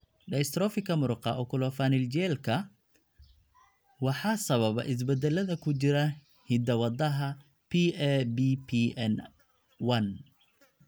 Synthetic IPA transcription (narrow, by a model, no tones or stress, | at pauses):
ɖɐjst̪rɔːfɪkʰɐmʊɾʊqɑʔɔːkʰʊlɔfanɪlt͡ʃɛːlkʰɐ | wɑħɑːsɐβɐβɐ̰ʔɪs̬bɛd̪ɛlɐðɐkʰʊt͡ʃɪɾɐ | hɪd̪ɐwɑd̪ɐɦɐ | pʰiɛbipʰiɛn | wɐn